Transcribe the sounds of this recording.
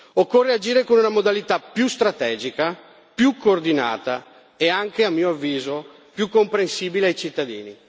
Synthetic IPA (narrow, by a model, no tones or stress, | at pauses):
okːorːead͡ʒiːɾekonunamod̪alit̪apjust̪ɾat̪ɛːd͡ʒika | pjukʰːoːrd̪ina̰ːt̪a | eaŋkeamːiːoavːiːzo | pjukːompɾensiːbileajt͡ʃit̪ːad̪ḭːni